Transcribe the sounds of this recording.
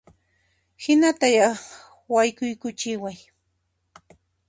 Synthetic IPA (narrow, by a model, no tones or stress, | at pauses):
hɪnat̪aja | wajkʊjkʊt͡ʃɪwaj